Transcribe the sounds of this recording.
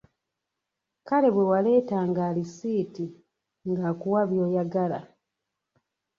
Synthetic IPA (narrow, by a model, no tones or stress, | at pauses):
kale̞βwe̞wale̞ːtaːŋɡaːlisiːti | ŋɡaːkuwaβjo̞ːjaɡala̰